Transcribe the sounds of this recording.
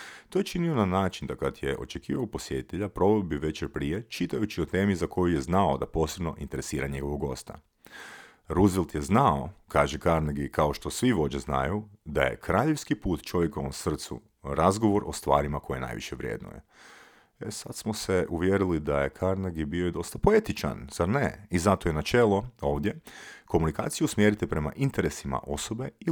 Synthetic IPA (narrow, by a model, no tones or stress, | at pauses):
t̪ojet͡ʃinionanaːt͡ʃind̪akat̪jeʔo̞̰t͡ʃekiːʋaopo̞sjet̪i̥t̪eʎapɾo̞ʋelbiʋe̞t͡ʃeɾpɾije̞t͡ʃit̪ajut͡ʃiot̪e̞ːmizako̞juje̞znaod̪a̰po̞ːsebno̞ʔint̪eɾe̞siːɾaɲe̞ɡo̞ʋoɡo̞̰st̪a̰ | ɾuzʋilˠt̪jeznaokaːʒekaɾnaɡikao̞ʃt̪o̞sʋiʋo̞d͡ʑezna̰jud̪a̰jḛkɾaːʎe̞ʋskipuːt̪t͡ʃo̞ʋjekoʋo̰msr̩t̪sṵ | ɾazɡoʋo̞ɾʔo̞st̪ʋa̰ːɾimako̞jena̰jʋḭʃeʋɾjḛd̪no̰je | esad̪smoseʔuʋjeɾilid̪ajekʰaɾnaɡibioid̪o̞st̪apo̞e̞t̪it͡ʃa̰nz̥aɾneizat̪oje̞nat͡ʃelˠoo̞ːʋd̪je̞ko̞munika̰ːt̪sijusmjeɾit̪ɛpɾe̞ma̰ʔint̪eɾesima̰ʔo̞sobe̞i